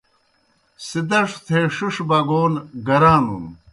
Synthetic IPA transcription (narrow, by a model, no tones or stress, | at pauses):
sid̪ɐʂt̪ʰeʂiʂbɐɡoːnɡɐɾaːnṵn